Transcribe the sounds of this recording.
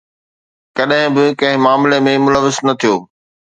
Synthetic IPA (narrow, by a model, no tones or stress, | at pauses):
kɐɗɦɪ̃bɪkɐ̃ɦɪ̃maːmɪlemẽmʊləʋɪznɐt̪ʰijoː